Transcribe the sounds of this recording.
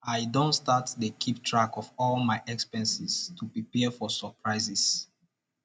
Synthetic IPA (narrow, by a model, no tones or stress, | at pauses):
ajdõntstatdəkʰiptʰɹakɔvɔlmaɪʔɛkspɛ̃nsistʰupɹipɛfɔsəpʰɹaɪzis